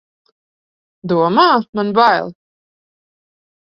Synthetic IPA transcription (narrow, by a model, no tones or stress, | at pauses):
d̪uɔmaːmanbajlˠ